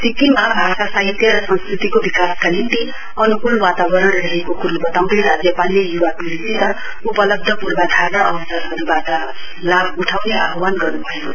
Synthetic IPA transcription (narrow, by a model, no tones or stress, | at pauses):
sik̪imabʱasasaɦit̪jʌɾʌsʌ̃nskrit̪ikobikaskanint̪i | ʌnukulwat̪abʌɾʌɽrʌɦekokuɾubʌt̪awriɾad͡zjʌpalːejuwapulisit̪ʌ | upʌlʌb̚d̪ʱʌpurbad̪ʱarnʌʌbʌsʌrɦʌɾubaʈʌ | labuʈʰawnea̰ɦwanɡʌrnubʱʌjo